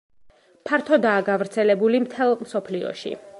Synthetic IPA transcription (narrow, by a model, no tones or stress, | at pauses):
pʰaɾt̪ʰɔd̪aːɡavɾt̪sʰɛlɛbulimt̪ʰɛlˠmsɔpʰliɔ̰ʃḭ